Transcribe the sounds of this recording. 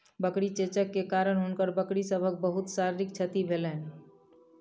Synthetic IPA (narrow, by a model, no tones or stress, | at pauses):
bəkɽit͡ʃet͡ʃəkːekaɾənɦunkəɾbəkɽisəbʱək̚bəɦut̪saɾɾik̚t͡ʃʰət̪ibʱelən